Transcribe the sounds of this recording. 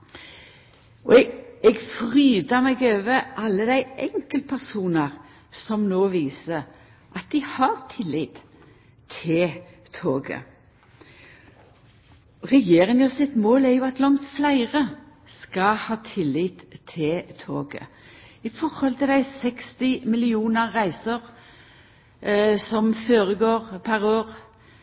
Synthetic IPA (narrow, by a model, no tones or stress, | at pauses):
ɔ̰ɛɡfʁyːd̪əmɛɡøːʋəʔɑlːəd̪æɪʔɛŋkəlt̪̚pʰæʁsuːnəʁ | sɔmnoːʋiːsə | ʔɑt̪̚d̪ɪhɑʁt̪ʰɪlːɪt̪ | t̪ʰɪl | t̪ʰoːɡə̰ | ʁɛjeːɾɪŋəsɪt̪moːlæʁjʊːɑt̪lɑŋt̪flæɪʁə | skɑhɑːt̪ʰɪlːɪt̪t̪ʰːɪt̪ʰo̰ːɡə̰ | ɪfɔʁhɔlt̪ʰɪld̪æɪsɛkst̪ɪmɪlɪuːnəʁːæɪsəʁ | sɔmføːʁəɡoːʁpʰæʁoːʁ